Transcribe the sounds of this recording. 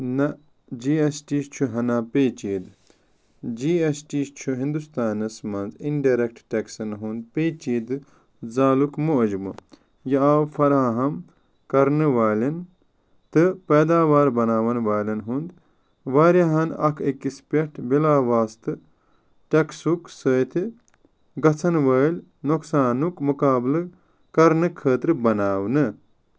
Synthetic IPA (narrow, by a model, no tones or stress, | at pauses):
nɐ | d͡ʒiːesʈiːst͡ʃʰuɦɐnaːpeːt͡ʃiːd̪ | d͡ʒiːesʈiːst͡ʃʰuɦĩnd̪ust̪aːnɐsmɐnzinɖaːɾek̚ʈʈɐksɐnɦund̪̚peːt͡ʃiːd̪ɨ | zaːlukmuʔd͡ʒbɨ | jɐaːwfɐɾaːɦɐm | kɐɾnɨʋaːlɐn | t̪ɨpeːd̪aːʋaːɾbɐnaːʋɐnʋaːlʲɐnɦund̪ | ʋaːɾjaɦɐnɐ̰kʰekːispʲeʈʰbilaːʋaːst̪ɨ | ʈeksuksəːt̪ʰi | ɡɐt͡sʰɐnʋɐːlʲnoksaːnukmukaːblɨ | kɐɾnɨkʰəːt̪ɾɨbɐnaːwnɨ